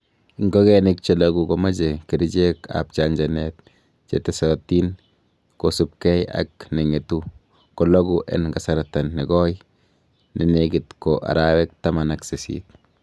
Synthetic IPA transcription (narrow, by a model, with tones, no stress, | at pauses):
ŋɡo˦ɡenik̚t͡ʃe˨loɡu˨koma˦d͡ʒe˨ki˨ɾi˦d͡ʒe˦ka̰p̚t͡ʃand͡ʒa˨net̪̚ | t͡ʃḛ˦tesati˦n | kosu˨p̚ke˦ja̰k̚ne˨ŋe˨tu˦ | ko˨lo˦ɡuʔḛ˨nɡa˨sa˨ɾata˨nːe˨ɡɔ˦j | ni˨neɡɪt̪koʔa̰˨ɾawe˦k̚ta˦ma˨nakse˨sḭt̪̚